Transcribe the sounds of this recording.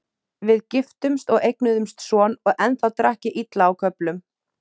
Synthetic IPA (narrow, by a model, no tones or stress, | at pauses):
vɪðcɪft̪ʏmst̪ɔɣejknʏðʏmst̪sɔːnɔɣɛnθawt̪ɾahcɪʔit̪laːwkʰœplʏm